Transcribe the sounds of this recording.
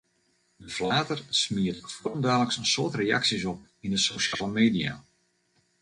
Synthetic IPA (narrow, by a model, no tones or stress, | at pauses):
dəflaːtərsmiətfuərəmdaːləksənsoətrea̰ksisɔp̚ | indəsoʃaːləmeːdia̰